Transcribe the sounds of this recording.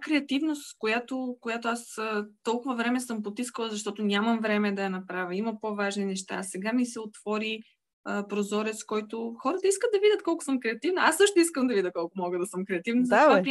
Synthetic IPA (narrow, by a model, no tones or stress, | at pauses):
kɾɛɐt̪ivnost̪skojat̪okojat̪oasət̪ɔlˠkʊvɐvɾɛmɛsɤmpot̪iskəlˠəzɐʃt̪ɔt̪ʊnʲaməmvɾɛmɛd̪ɐjɐnɐpɾavʲəimɐpovaʒninɛʃt̪a̰sɛɡamisɛot̪v̥ɔɾi | əpɾozɔɾɛt̪skɔjt̪oxɔɾət̪əiskət̪̚d̪ɐvidʲɐt̪kɔlˠkʊ̥səmkɾɛɐt̪ivnɐasːɤʃt̪ʊiskəmd̪ɐvid̪ʲəkɔlˠkʊmɔɡəd̪ɐsəmkɾɛɐt̪ivnɐzɐɔ